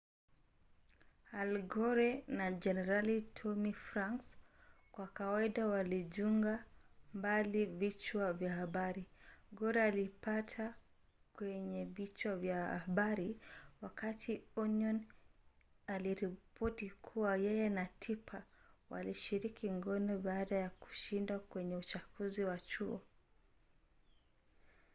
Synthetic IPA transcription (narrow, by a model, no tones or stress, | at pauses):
alɡɔɾɛnad͡ʒɛnɛɾalitʰɔmifɾaŋkskwakawaiɗawaliʄuŋɡambalivit͡ʃwavjahaɓaɾiɡɔɾɛalipatʰa | kwɛɲɛvit͡ʃwavjaaɓaɾiwakatʰiɔnɔn | aliɾipʰɔtikʰuwajɛjɛnatʰipʰawa̰liʃiɾikʰiŋɡɔnɔɓaːɗajaku̥ʃindakwɛɲɛut͡ʃafuziwat͡ʃuɔ̰